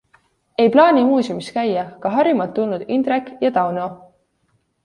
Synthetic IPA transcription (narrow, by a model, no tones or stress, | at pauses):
e̞jplɑːnʲimuːsʲumiskæjːɑkɑɦɑɾimɑlt̪ːulnud̪̥ind̪rekːjɑd̪̥ɑwno